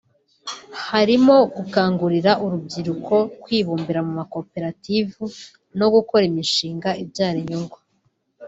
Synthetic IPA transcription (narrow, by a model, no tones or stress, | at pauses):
haɾimo̞ɡukaːŋɡuɾiɾaʔuɾub̚ɟiɾukʰo̞kwiːβuːmbiɾamumako̞pe̞ɾativu | no̞ɡuko̞ɾimiʃiːŋɡaibɟaːɾiɲoŋɡwa